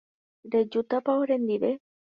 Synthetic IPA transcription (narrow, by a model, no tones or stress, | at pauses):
ɾed͡ʒut̪apaoɾend̪iɾe